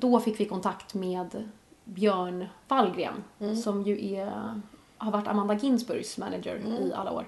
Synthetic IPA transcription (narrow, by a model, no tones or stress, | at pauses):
d̪ɔfɪkːvɪkʰɔnt̪ʰakt̪meːd̪ | bjœːɳvalɡɾḛːnsɔmjɵʔɛ | haɾvaʈːa̰mand̪aɡɪnsbɵɾɡsmæ̰nad͡ʒə̰ɾɪʔa̰lːao̰ːɾ